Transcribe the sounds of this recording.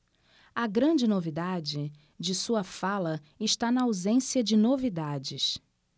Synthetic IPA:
ɐɡɾɐ̃d͡ʒɪnovid̪ad͡ʒɪ | d͡ʒɪsuɐfalɐ | ɪʃt̪anɐawzẽsiɐd͡ʒɪnovid̪ad͡ʒɪʃ

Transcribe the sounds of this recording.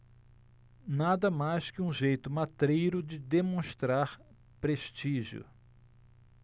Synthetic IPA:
nad̪ɐmajskɪũʒejt̪ʊmat̪ɾejɾʊd͡ʒɪd̪emõʃst̪ɾaɾ | pɾeʃt͡ʃiʒjʊ̰

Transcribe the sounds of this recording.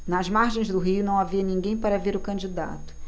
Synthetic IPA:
nɐzmaɾʒẽj̃zd̪ʊɦiʊnɐ̃w̃aviɐnĩŋɡẽj̃paɾɐveɾʊkɐ̃d͡ʒid̪a̰t̪ʊ̥

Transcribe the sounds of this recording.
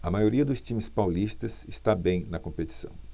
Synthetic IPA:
ɐmajoɾiɐd̪ʊst͡ʃĩmɪspawlist̪ɐsɪst̪abẽj̃nɐkõpet͡ʃi̥sɐ̰̃w̃

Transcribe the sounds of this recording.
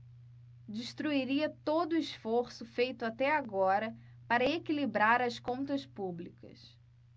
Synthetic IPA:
d͡ʒiʃt̪ɾuiɾiɐt̪od̪ʊɪsfoɾsʊfejt̪ʊat̪ɛaɡɔɾɐ | paɾɐekilibɾaɾɐskõnt̪ɐspublikɐ̰s

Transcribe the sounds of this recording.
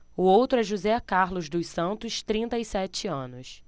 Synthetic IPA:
ʊowt̪ɾʊɛʒuzɛkaɾlʊzd̪ʊsɐ̃nt̪ʊʃt̪ɾĩnt̪ɐisɛt͡ʃɪɐ̃nʊs

